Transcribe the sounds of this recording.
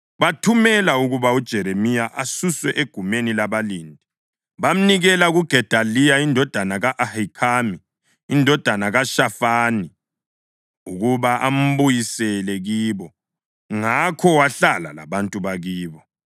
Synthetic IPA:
βatʰumɛlauɣuβaud̥ʒ̥ʱɛɾemijaʔasuswɛʔeɡ̥ʱumenilaβaliːndʱi | βam̩niɣɛlaɣuɡ̥ʱɛd̥ʱalijaindʱɔd̥ʱanaɣaʔahikʰamiː | ndʱɔd̥ʱanaɣaʃafaːni | uɣuβaʔam̩βujisɛlɛɣiːβɔ | ŋakʰɔwaɬala̰la̰βantʼuβaɣiːβɔ

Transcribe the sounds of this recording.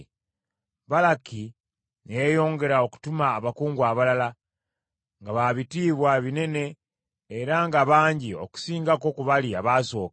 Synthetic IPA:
βalaki | nejejo̞ːŋɡe̞ɾao̞ku̥tumaːβakuːŋɡwaβalala | ŋɡaβaβitiːβwaβine̞ne̞ː | ɾaŋɡaβaːɲɟio̞̰ku̥siːŋɡako̞kuβaliaβaso̞ːk

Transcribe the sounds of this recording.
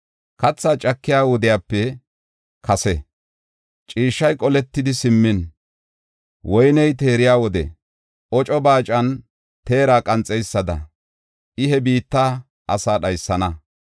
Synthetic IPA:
kɐt͡sːaːt͡ʃʼɐkːɪjaːwɔd̪ɪjaːpːɛ | kʰɐsɛ | t͡ʃʼiːʃːɐjkʼɔlɛt̪ːɪd̪ɪsɪmːɪn | wɔjnɛjt̪e̞ːɾɪjaːwɔd̪ɛ̰ | ʔɔt͡ʃʼɔbaːt͡ʃʼɐn | t̪e̞ːɾaːkʼɐnt͡sʼːɛjsːɐd̪ɐ̰ | ʔɪɦɛbiːt̪ːaː | ʔɐsaːɗɐjsːɐnɐ

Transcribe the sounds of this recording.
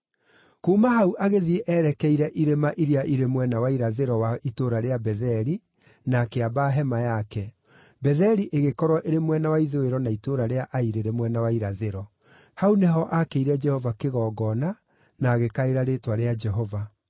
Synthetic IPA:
kuːmaɦauʔaɣeðieʔɛɾɛkɛiɾɛʔiɾemaʔiɾiaʔiɾemwɛnawaiɾaðeɾɔwaʔitoɾaɾeabɛðɛɾi | nakeabaɦɛmajakɛ | bɛðɛɾiʔeɣekɔɾwɔʔeɾemwɛnawaiðoeɾɔnaitoɾaɾeaʔaiɾeɾemwɛnawaiɾaðeɾɔ | hauneɦɔʔakeiɾɛd͡ʒɛhɔvakeɣɔːɡɔna | naːɣekaeɾaɾetwaɾead͡ʒɛɦɔva

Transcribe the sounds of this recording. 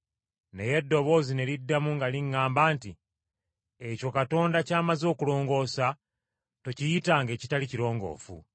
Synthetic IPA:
ne̞je̞dːo̞βo̞ːzine̞ɾidːamuŋɡaliŋːaːmbaːnti | eco̞kato̞ːndacaːmazo̞ːkulo̞ːŋɡo̞ːsa | to̞cijitaŋɡe̞ːcitaliciɾo̞ːŋɡo̞̰ːfṵ

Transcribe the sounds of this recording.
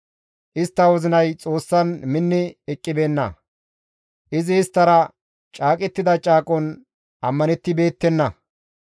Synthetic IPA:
ʔɪst̪ːɐwɔzɪnɐjt͡sʼo̞ːsːɐnmɪnːɪɛkʼːɪbe̞ːnːɐ̰ | ʔɪzɪːst̪ːɐɾɐ | t͡ʃʼaːkʼɛt̪ːɪd̪ɐt͡ʃʼaːkʼɔn | ʔɐmːɐnɛt̪ːɪbe̞ːt̪ːɛnːɐ

